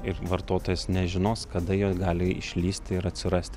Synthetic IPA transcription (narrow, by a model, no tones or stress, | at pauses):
ɪɾʋɐɾt̪oːt̪oːjɛsnʲɛʒʲɪnoːskɐd̪ɐjoːsɡɑːlʲɪɪ̰ʃʲlʲiːsʲt̪ʲɪɪɾɐt̪ʲsʲɪɾɐsʲt̪ʲ